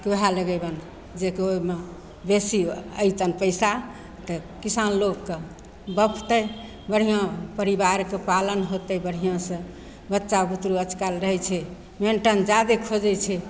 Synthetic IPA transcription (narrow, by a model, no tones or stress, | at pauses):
keɦaləɡəbən | d͡ʒekeome | besiə̰jt͡ʃənpəɪsa | t̪ə | kisanlokːe | bəpʰt̪əj | bəɽ̤ijãpəɾibaɾkepalənɦot̪əbəɽ̤ijãsə̃ | bətːʃabut̪ɾuət͡ʃkalɾəɦɛt͡ʃʰɛ | meɳʈənd͡ʒad̪ekʰod͡ʒɛt͡ʃʰɛ